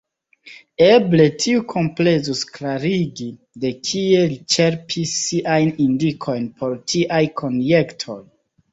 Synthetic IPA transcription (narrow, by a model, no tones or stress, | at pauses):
eble̞tʰiukʰo̞mple̞zusklaɾiɡi | de̞kʰie̞lit͡ʃe̞ɾpʰisːiʔajnindikʰo̞jnpʰo̞ɾtʰiʔajkʰo̞nje̞ktʰoj